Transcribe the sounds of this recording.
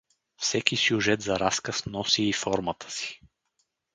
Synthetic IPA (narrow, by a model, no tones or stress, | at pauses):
fsɛkisʲjʊʒɛt̪zɐɾaskəsnɔsiːfɔɾmət̪ʰə̥si̥